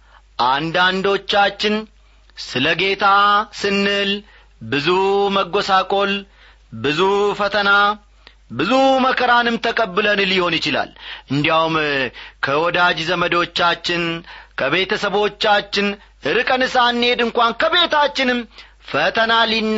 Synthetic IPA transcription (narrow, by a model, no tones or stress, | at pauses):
ʔand̪and̪o̞t͡ʃːat͡ʃːɪn | sɨləɡe̞t̪ʰasɨnːɨl | bɨzuməɡo̞sakʼo̞l | bɨzufət̪ʰəna | bɨzuməkʰəɾanɨmt̪ʰəkʼəbːɨlənliho̞njɪt͡ʃɪla̰lʔɨnd̪ijawumkʰəwɔd̪ad͡ʒzəməd̪o̞t͡ʃːat͡ʃːɪnkʰəβe̞t̪ʰəsəβo̞t͡ʃːat͡ʃːɪn | ʔɨɾɨkʼənɨsanːe̞d̪ɨŋkʷankʰəβe̞t̪ʰat͡ʃːɪnɨm | fət̪ʰənalin